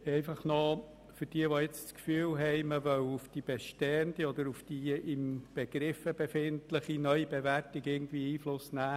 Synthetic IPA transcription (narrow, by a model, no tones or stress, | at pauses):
ɛɪfɑχno | fʏɾd̥iəʋoɪt͡sskfyːlɦɛɪməʋœwufd̥ib̥eʃtɛənd̪iɔd̪əɾufd̥iɪmb̥eɡ̥ɾɪfəbefɪntləχinœʏibeværtiɡɪɡn̩t̪viːiːflʊsnæː